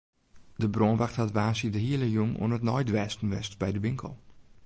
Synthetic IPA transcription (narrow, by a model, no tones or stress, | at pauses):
dəbronʋaxthatʋaːsidəɦiələjuŋṵənətnɔ̰jdʋɛːstn̩ʋɛstbɛjdəʋɪŋkʰə̰lˠ